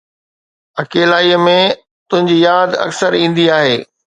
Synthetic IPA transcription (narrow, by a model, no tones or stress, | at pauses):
ɐkeːlaːiːəmẽ | t̪ʊ̃ɦɪ̃ɲd͡ʑiːjaːd̪ɐ̰ksəɾĩːn̆d̪iaːɦeː